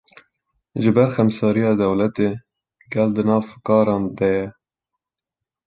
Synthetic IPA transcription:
ʒɨbɛɾxɛmsɑːɾijɑːd̪ɛwlɛt̪eː | ɡɛld̪ɨnɑːvkɑːɾɑːnd̪ɛjɛ

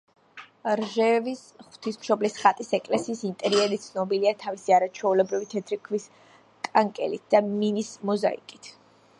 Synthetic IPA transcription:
ɾʒɛvisχw̥t̪ʰismʃɔblisχat̪ʼisɛkʼlɛsiːsint̪ʼɛɾiɛɾit̪sʰnɔbiliat̪ʰavisiaɾat͡ʃʰwɛulɛbɾivit̪ʰɛt̪ʰɾikʰvis | kʼaŋkʼɛ̰lit̪̚ʰd̪̥aminismɔza̰ḭkʼit̪ʰ

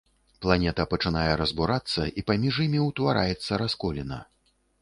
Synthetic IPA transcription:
plˠanʲɛt̪ɐpɐt͡ʂɨnajɛɾɐzbuɾat̪sːɐʔipamʲiʐjimʲiuwt̪vaɾʔa̰jɛt̪sːɐɾaskɔlʲinɐ̰

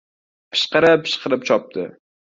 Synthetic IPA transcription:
pʰɪ̥ʃqɨɾɪpʰːɪ̥ʃqɨɾɪpt͡ʃʰɒp̚t̪ɪ̰

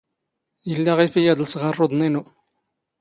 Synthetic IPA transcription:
jəlːæʁifijæðəlsʁərˤːoðˤninu

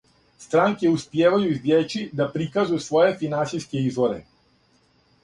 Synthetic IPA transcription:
st̪ɾaŋkjeuspjeːʋajuizd̪jet͡ʃid̪apɾikazujusʋo̞jefinantsijskeizʋoɾḛ

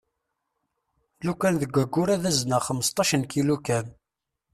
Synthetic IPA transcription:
lukænðəɡʷæɡʷːʊɾæðæznəχəməst̪ˤɑʃənkilukæn

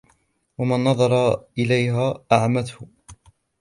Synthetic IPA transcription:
wamanːɑðˤɑɾˤɑʔɪlajɦaːʔaʕamat̪hʊ

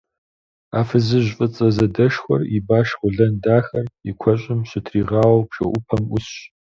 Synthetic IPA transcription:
aːfɨzɨʑʷfʼɨt͡sʼɐzɐdɐʂxʷɔribaːʃχʷʊɮɐndaːxɐrikʷʰɔɕʼɪmɕɪtʰriːʁɑːwɐwpʂɐ̰ʔʷʊpʰɐmʊsɕ

